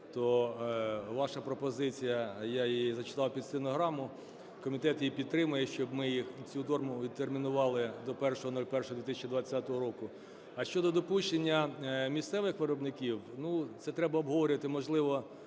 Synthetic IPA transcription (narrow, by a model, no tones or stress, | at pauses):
t̪ɔ | ʋɑʃɐpɾɔpɔzɪt͡sʲijɐjaizɐt͡ʃɪ̥t̪ɑwpʲid̪sɪnɔɦɾɑmʊ | kɔmʲit̪ɛt̪jipʲid̪̚t̪ɾɪmʊjɛʃt͡ʃɔbmɪjixt͡sʲut̪ɔrmʊʋʲid̪̚t̪ermʲinʊʋɑlˠɪd̪ɔpɛrʃɔɦɔnɔlʲpɛrʃɔɦɔd̪ʋʲit̪ɪsʲɐ̥t͡ʃid̪ʋɐt͡sʲːat̪ɔɦɔɾɔkʊ | ɐʃt͡ʃɔd̪ɔd̪ɔpuʃt͡ʃenʲːɐmʲissɛʋɪxʋɪɾɔbnɪkʲiwnut̪sɛt̪ɾɛbɐɔbɦɔʋɔɾʲʊʋɐt̪ɪmɔʒlˠɪʋɔ